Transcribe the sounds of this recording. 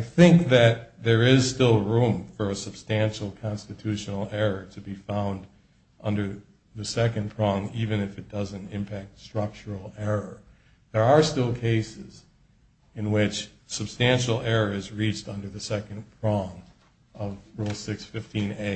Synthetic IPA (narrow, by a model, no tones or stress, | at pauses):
aɪθɪ̃ŋk̚ðɨt̪̚ðə˞ɪz̥stɪlˠɹũɱfə˞ɨsɨb̥stæ̃nʃl̩ˠkʰɑ̃nstɨtʰʉʃnl̩ˠɛɹə˞ɾɨbifãʊ̃nd | ʔʌ̃ndə˞ | ðɨsɛkɨ̃npʰɹ̥ɔ̃ŋivɨ̃nɨfɨt̚d̥ʌzɨ̃ntɪ̃mpʰæk̚tstɹ̥ʌk̚t͡ʃə˞l̩ˠɛɹə˞ | ðə˞ːstɪlˠkʰeɪsɪz | ɨ̃nwɪt͡ʃ | sɨb̥stæ̃nʃl̩ˠɛɹə˞ɨzɹit͡ʃtʌ̃ndə˞ðɨsɛkɨ̃npʰɹ̥ɔ̃ŋ | ʌvɹulˠsɪksfɪftʰĩneɪ